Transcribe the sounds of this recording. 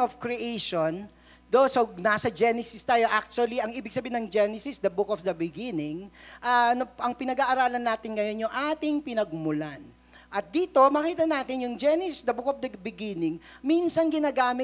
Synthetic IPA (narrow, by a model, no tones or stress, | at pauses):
ofkɹiʔejʃon | d̪osonasɐd͡ʒɛnɛsɪst̪aːjo̞ʔak̚t͡ʃuɐliɐŋʔiːbɪɡ̚sɐbiːnɐŋd͡ʒɛnɛsɪsd̪ɐbʊkofd̪ɐbɪɡinɪŋʔɐnɐɐŋpɪnɐɡaːʔɐɾaːlɐnːaːt̪ɪŋɡɐjo̞njʊŋʔaːt̪ɪŋpɪnɐɡ̚mʊlan | ʔɐt̪̚d̪iːt̪o̞mɐːkiːt̪ɐnaːt̪ɪnjʊŋd͡ʒɛnɛssd̪ɐbʊkofd̪ɐbɪɡinɪŋminsɐnɡɪnaːɡaːmɪ